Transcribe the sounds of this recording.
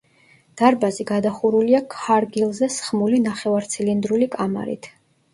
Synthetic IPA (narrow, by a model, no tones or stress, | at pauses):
d̪̥aɾbaziɡad̪aχuɾuliakʰaɾɡilˠzɛsχmulinaχɛvaɾt̪sʰilind̪ɾulikʼama̰ɾḭt̪ʰ